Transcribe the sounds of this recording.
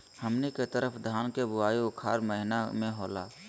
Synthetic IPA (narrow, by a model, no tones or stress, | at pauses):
hɐmneket̪əɾəpʰd̪ʱaːnkebʊwaːiʊkʰa̰ːɾməɦɪnamẽɦoːla̰ː